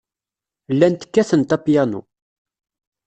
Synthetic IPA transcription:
lːænt̪ə̥kːæθənt̪æpjænṵ

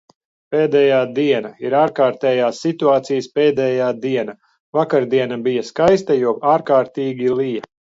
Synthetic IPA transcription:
peːd̪ɛːjaːd̪iɛnaiɾaːɾkaːɾt̪ɛːjaːsːit̪uaːt̪sijspeːd̪ɛːjaːd̪iɛna | vakaɾd̪iɛnabijaskajst̪ajuɔaːɾkaːɾt̪iːɡʲilˠija

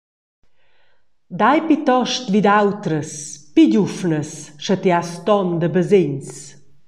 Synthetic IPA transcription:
d̪ajpit̪ɔʃt̪vid̪awt̪ɾəspiɟufnəsʃət̪east̪ɔnd̪əbəzeɲs

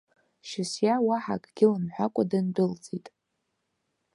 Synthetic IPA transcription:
ʃɪsjawaħa̰kʼɡʲɪlanħʷᶣakʷʼadɨndɨlt͡sʼitʼ

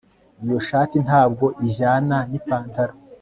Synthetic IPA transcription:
ijo̞ʃaːtinhaːb̚ɡo̞ʔiʒaːnanipaːntaɾo

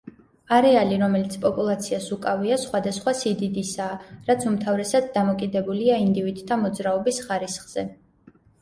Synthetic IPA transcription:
aɾɛaliɾɔmɛlit̪sʰpʼɔpʼulˠat̪sʰiasukʼaviasχwad̪asχwasid̪id̪isaːɾat̪sʰumt̪ʰavɾɛsad̪ːamɔkʼid̪ɛbuliaind̪ivid̪t̪ʰːamɔd̪zɾaɔbisχaɾisχz̥ɛ

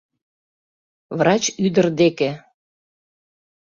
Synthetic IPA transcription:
vrɑt͡ɕyd̪ərd̪eke

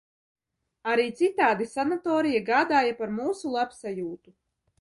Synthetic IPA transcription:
aɾiːt̪sit̪aːd̪isanat̪ɔːɾijaɡaːd̪aːjapaɾmuːsulˠapsajuːt̪u

